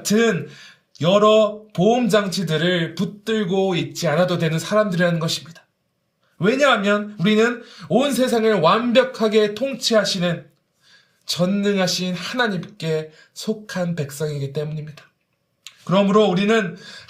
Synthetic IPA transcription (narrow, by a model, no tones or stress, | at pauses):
t͡ɕɯn | jʌɾʌpoumd͡ʑaŋt͡ɕʰidɯɾɯɭput͈ɯɭɡoit̚t͡ɕ͈ianadodwe̞nɯnsʰaɾamdɯɾianɯnɡʌɕʰimɲid̥ḁ | we̞ɲaɦamjʌnuɾinɯnonsʰe̞s̬ʰaŋɯɭwanbjʌkʰaɡe̞tʰoŋt͡ɕʰiɦaɕʰinɯn | t͡ɕʌnːɯŋɦaɕʰinhanaɲimk͈e̞ | sʰokʰanpe̞k̚s͈ʌŋiɡit͈e̞muɲimɲidḁ | kɯɾʌmɯɾouɾinɯn